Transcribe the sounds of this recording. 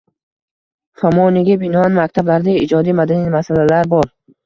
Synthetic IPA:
famɒnɪɡʲabɪnɒanmak̚ʲt̪ʰablaɾd̪aɪd͡ʒɒd̪imad̪animasalalaɾbɒɾ

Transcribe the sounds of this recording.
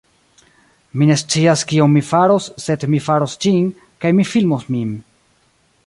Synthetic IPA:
mine̞st͡siaskio̞nmifaɾosːe̞dmifaɾost͡ʃin | kajmifilmosmin

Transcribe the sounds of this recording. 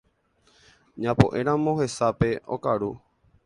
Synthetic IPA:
ɲãpo̰ʔẽ̞ɾ̃ãmõ̞ɦe̞sape̞okaɾu

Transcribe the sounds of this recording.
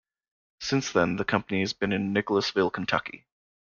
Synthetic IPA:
sɪ̃nsðə̃nðɨkʰʌ̃mpəniɨzbɨ̃nɨ̃nːɪkl̩ˠəsvɪlˠkʰn̩tʰʌ̰kḭ

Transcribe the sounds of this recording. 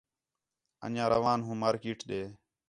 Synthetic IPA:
ə̰nãːɾəʋãːnɦũːmaːɾkiːʈɗeː

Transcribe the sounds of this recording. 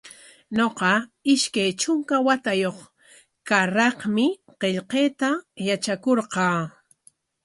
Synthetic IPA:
noqɑɪʃkajt͡ʃʊŋkawat̪ajoχ | kaɾɑqmɪ | qeʎqeːt̪ajat͡ʃakoɾqɑː

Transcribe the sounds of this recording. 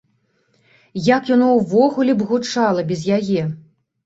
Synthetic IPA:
jakjanɔwvɔɣulʲɛbɣut͡ʂalˠɐbʲɛzjajɛ

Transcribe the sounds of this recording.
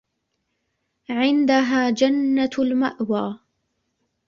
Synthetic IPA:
ʕɪnd̪aɦaːd͡ʒanːalma̰ʔwaː

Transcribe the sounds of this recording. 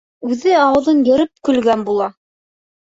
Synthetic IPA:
ʉðɘɑwɤ̆ðɤnjɵ̆ɾɘp̚kɵ̆lɡænbulˠɑ

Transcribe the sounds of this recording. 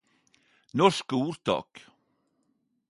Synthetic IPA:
nɔʃkəuːɾt̪ɑ̰ːk

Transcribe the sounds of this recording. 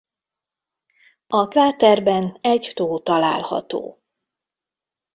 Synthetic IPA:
ɒkaːt̪ɛrbɛnɛɟt̪oːt̪ɒla̰ːlhɒ̰t̪o̰ː

